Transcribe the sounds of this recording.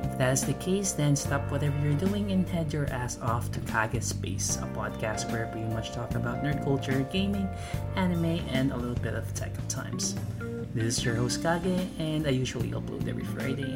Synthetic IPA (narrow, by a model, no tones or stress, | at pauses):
ɨfðæɾɨzðɨkʰeɪsðɨ̃nstʌpʰwʌɾɛvə˞jə˞duɪ̃ŋɨ̃ntʰɛ̃də˞ʔæsɔftʰɨkʰɑɡɨspḛɪsə̰pʰɑd̚kʰæst̚wə˞piĩmʌt͡ʃtʰɔkəbaʊtⁿnɜ˞dkʰʌlˠt͡ʃə˞ɡẽɪ̃mɪ̃ŋ | ænɨmeɪɨ̃nə̰lɪɾl̩ˠbɪɾʌv̥tʰɛ̰k̚ʌv̥tʰã̰ɪ̃mz̥ | ðɪsɨzjə˞hoʊskʰɑɡɨɨ̃naɪjʉʒl̩ˠḭɛ̰lˠblṵðɛ̰vɹḭfɹa̰ɪɾeɪ